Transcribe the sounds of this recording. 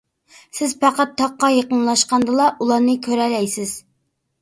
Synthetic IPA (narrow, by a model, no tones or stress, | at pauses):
sɪzpɑqɑt̪ʰːɑqːɑjeqənlˠɑʃqɑnd̪ɨlˠɑʔulˠɑnɨkʲʰøɾɛlɛjsɪz̥